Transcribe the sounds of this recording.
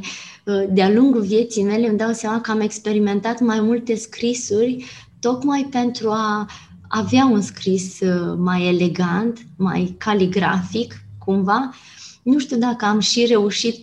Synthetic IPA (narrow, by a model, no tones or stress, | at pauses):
d̪ealuŋɡuvje̞t̪sijme̞le̞məd̪awt̪seamakəame̞kspe̞ɾime̞nt̪at̪majmult̪e̞skɾisurʲ | t̪o̞kmajpe̞nt̪ɾua | aveaunskɾismaje̞le̞ɡant̪ma̰jkaliɡɾa̰fikːumva | nuʃt̪iud̪akəamʃire̞uʃit̪